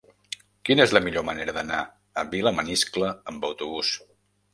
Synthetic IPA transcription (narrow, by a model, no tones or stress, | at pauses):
kinəezləmiʎoməneɾəðəna | əβiləməniskləːmbəwt̪uβus